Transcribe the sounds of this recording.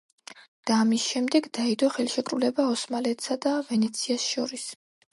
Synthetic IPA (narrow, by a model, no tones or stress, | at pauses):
d̪̥aːmisʃɛmd̪ɛɡd̪aid̪ɔχɛlʃɛkʼɾulɛbaɔsmalɛt̪ʰsad̪avɛnɛt̪sʰiasʃɔɾis